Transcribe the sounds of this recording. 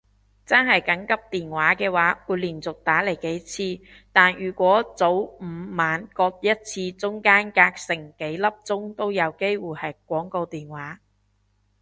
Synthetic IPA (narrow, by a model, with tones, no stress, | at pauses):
t͡sɐ˥nɦɐ˨jkɐ˨˥ŋkɐ˥p̚t̪iː˨nwaː˨˥kɛː˧waː˨˥wuː˨˧liː˨˩nt͡sʊ˨k̚t̪aː˨˥le˨˩jke˨˥jt͡sʰiː˧ | t̪aː˨njyː˨˩kʷɔː˨˥t͡so˨˥wm̩ː˨˧˦maː˨˧nkɔː˧k̚jɐ˥t̚t͡sʰiː˧t͡sʊ˥ŋkaː˥nkaː˧k̚sɪ˨˩ŋke˨˥jlɐ˥p̚t͡sʊ˥ŋt̪o˥wjɐ˨˧wke˥jwuː˨˩jhɐ˨jk̚ʷɔː˨˥ŋko˧wt̪iː˨nwaː˨˥